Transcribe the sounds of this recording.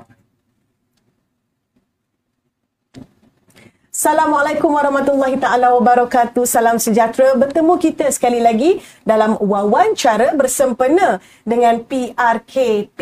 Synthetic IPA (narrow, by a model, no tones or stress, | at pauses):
salamwalajkumwaɾɑhmat̪ulːaɦit̪aalawabaɾakat̪usalamsəd͡ʒat̪ɾabərt̪əmukit̪əsə̥kalilaɡi | dalamwawant͡ʃaɾəbərsəmpənə̃ | dəŋãnpiarkʰep